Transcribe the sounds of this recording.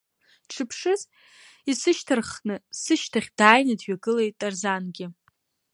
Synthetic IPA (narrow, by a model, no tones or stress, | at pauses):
ʈ͡ʂʰɨpʰʂɨz | isɨʃtʰarχnɨsɨʃtʰaχʲd̥aːjnɨdɥaɡɨlejtʼarzanɡʲɪ